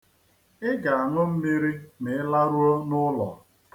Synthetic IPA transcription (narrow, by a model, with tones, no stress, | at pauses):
ɪ˦ɡa˨a˨nʊ˦m̩˦mi˦ɾi˦mɪ˨ɪ˦la˦ɾu˦o˦nʊ˦lɔ̰˨